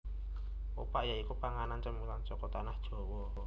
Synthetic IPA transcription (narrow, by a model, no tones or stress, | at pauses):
o̰paʔjaikupaŋanant͡ʃəmilaŋt͡ʃɔkɔt̪anahd̥ʒ̥o̤wɔ